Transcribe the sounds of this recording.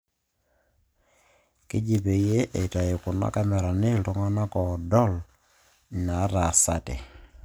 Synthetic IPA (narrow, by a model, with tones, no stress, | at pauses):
kɪ˦d͡ʒi˦be˨je˦ʔe˨ta˨jɪ˨kʊ˨na̰˦ka˦mɛ˨ɾa˨ne˦ltɔ˦ŋɔ˦na˦kɔ˨dɔ˦˨l | na˨˦ɾa˨sa˦tɛ̰˨